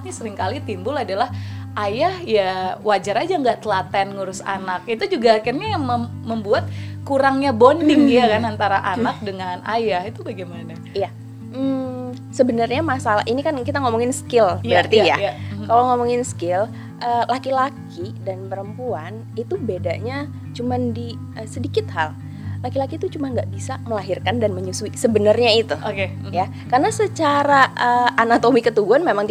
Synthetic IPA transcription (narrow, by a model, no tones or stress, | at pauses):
ɲsəɾɪŋkalit̪imbʊladalahʔajahjawad͡ʒaɾad͡ʒaŋɡaʔt̪əlat̪ɛnŋuɾʊsa̰nakit̪ud͡ʒuɡaːkɪrɲajaŋməməmbuat̪̚kuɾaŋɲabondɪŋjakanant̪aɾaʔanak̚dəŋanajahit̪ubaɡimana | ija | səbənərɲamasala̰ɦʔinikankit̪aŋomɔŋɪnsə̥kɪlbəɾart̪ijakaloŋomɔŋɪnskɪl | ʔəlakilakʰidanpəɾəmpuan | it̪ubedaʔɲa | t͡ʃumandi | əsədikɪt̪̚hal | lakilakiːt̪ut͡ʃumanɡaʔbisaməlaɦirkandanməɲusuisəbənərɲait̪uoke | ja | karnasət͡ʃaɾaʔəːnat̪omikət̪uɡuanmemaŋt̪